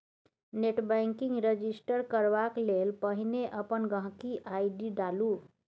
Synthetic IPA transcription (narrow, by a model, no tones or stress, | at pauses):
neʈbaŋkiŋɡɾəd͡ʒisʈəɾkəɾʋaklelpəɦineʔəpənɡə̃ɦkiʔajɖiɖalu